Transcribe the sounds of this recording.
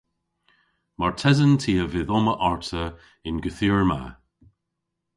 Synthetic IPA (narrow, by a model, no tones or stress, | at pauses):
maɹtʰɛzəntʰiəvɪðɔməʔaɹtʰə | ɪnɡəθiɹma̰